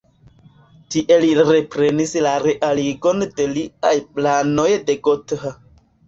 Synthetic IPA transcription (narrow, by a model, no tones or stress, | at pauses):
tiʔe̞liɾe̞pɾe̞nislaɾeʔaliɡo̞nde̞liajplano̞jde̞ɡotha